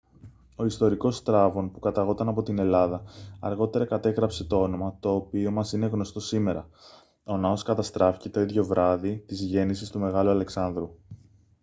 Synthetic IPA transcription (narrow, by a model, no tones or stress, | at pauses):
o̞ist̪o̞ɾiko̞st̪ɾɐvo̞npukɐt̪ɐɣo̞t̪ɐnɐpo̞t̪ine̞lɐðɐːɾɣo̞t̪e̞ɾɐkɐt̪e̞ɣɾɐpse̞t̪o̞o̞no̞mɐt̪o̞ːpio̞mɐsine̞ɣno̞st̪o̞sime̞ɾɐ̰ | o̞nɐo̞skɐt̪ɐst̪ɾɐfi̥ce̞t̪o̞iðʝo̞vɾʔɐðit̪izʝe̞nisist̪ume̞ɣɐluɐle̞ksɐnðɾu